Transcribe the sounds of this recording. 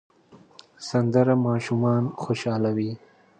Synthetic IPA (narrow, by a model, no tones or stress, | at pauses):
sɐnd̪əɾamɑːʃumɑːnxoʃɑːlawi